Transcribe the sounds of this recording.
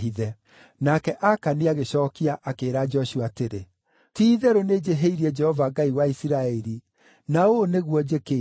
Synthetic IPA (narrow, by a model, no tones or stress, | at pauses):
iðɛ | nakɛʔakaniaɣeɕɔːkiaʔakeɾad͡ʒɔɕuateɾe | tiːðɛɾoned͡ʑeɦeiɾiɛd͡ʒɛhɔvaɡaiwaisiɾaɛɾi | naoneɣwɔd͡ʑeke